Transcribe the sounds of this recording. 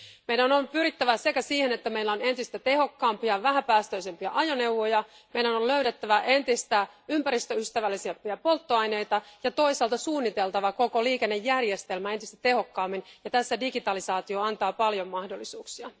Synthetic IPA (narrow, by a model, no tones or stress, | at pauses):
mejdænompyɾit̪ːæʋæse̞kæsiːhenet̪ːæme̞ilːæone̞nt̪ist̪æt̪e̞ɦo̞kːɑːmpiɑʋæɦæpæːst̪øise̞mpiɑʔɑjone̞uʋojɑ | me̞jdænolløyɾet̪ːæʋæʔe̞nt̪ist̪æympæɾist̪øyst̪æʋælːisempiæpo̞lt̪ːoɑjne̞jt̪ɑjɑt̪o̞isɑːlt̪ɑsuːnːit̪e̞lt̪ɑʋɑko̞ko̞liːke̞nːe̞jːærje̞st̪e̞lmæet̪ist̪æt̪e̞ho̞kːɑːmːinjɑt̪æsːædiɡit̪ɑlisɑːt̪ioɑnt̪ɑːpɑljo̞mːɑhdo̞lːisuːksiɑ